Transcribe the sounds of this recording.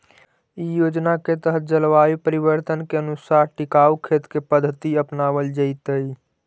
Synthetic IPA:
ijod͡ʒnaket̪əɦət̪̚d͡ʒəlʋaipəɾibəɾt̪ənkeənusaɾʈikaukʰet̪kepəd̪ʱːət̪iəpnaβəld͡ʒəɪt̪əj

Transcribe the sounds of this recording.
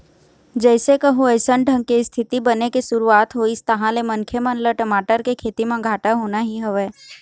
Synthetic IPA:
d͡ʒɛːsekəɦũəɪsəɳɖʱə̃ŋɡ̚keɪst̪ʰɪt̪ibənekesʊɾuaːt̪ɦoist̪əɦãlemə̃nkʰjəmənləʈəmaːʈəɾkekʰeːt̪imẽɡʱaːʈaɦoːnaɦiɦəʋeː

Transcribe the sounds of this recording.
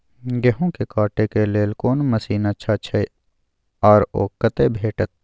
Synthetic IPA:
ɡeɦõkekaːʈekeleːlkoːnmɐsiːnat͡ʃʰat͡ʃʰɐe | ɔːɾo̰ːkːɐt̪ebʱeːʈət̪̚

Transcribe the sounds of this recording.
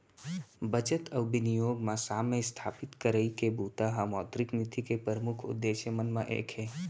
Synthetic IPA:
bət͡ʃət̪əwbɪnijoːɡmãsaːmest̪ʰaːpɪt̪kəɾəikebuːt̪aɦamɔːd̪ɾɪknit̪ikepəɾəmukʰʊ̰d̪ːeːʃjəmənmãʔḛːkʰɦẽː

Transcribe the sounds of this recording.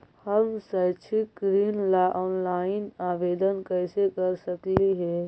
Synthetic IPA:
həmsət͡ʃʰik̚ɡɾiːnlaʔɔːnlaːɪnaːʋeːd̪ənkəɪsekəɾsəkliɦɛː

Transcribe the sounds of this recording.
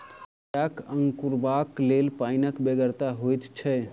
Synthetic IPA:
akəŋɡkuɾbaklelpaɪnəkbeɡəɾt̪aɦojt̪t͡ʃʰɛ

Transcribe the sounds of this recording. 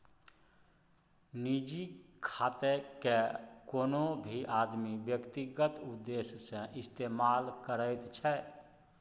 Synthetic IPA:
nid͡ʒikʰat̪ekekonobʱiʔad̪mibjəkt̪iɡət̪ud̪ːessẽʔist̪emalkəɾəɪt̪t͡ʃʰɛ

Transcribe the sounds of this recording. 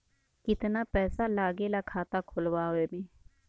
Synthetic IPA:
kɪt̪napɛːsalaːɡelakʰaːt̪akʰʊlwaɦemẽː

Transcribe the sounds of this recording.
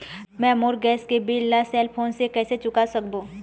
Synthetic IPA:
mɛ̃moːɾɡɛːskebiːlːasɛːlpʰoːnsekɛːset͡ʃʊkasɐkboː

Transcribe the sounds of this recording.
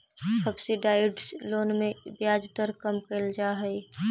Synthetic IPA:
sɐbsiɖaːɪɖloːnmẽbjaːd͡ʒd̪əɾkɐmkəld͡ʒaːɦɛi

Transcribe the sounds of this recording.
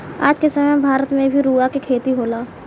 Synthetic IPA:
a̰ːd͡ʒkesɐməjbʱaːɾət̪mẽbʱiɾuːakekʰeːt̪iɦoːlaː

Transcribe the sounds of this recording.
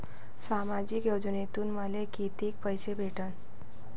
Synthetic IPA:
samad͡ʑikjod͡ʑnet̪uːnməlekit̪ek̚pəjsebʱeʈən

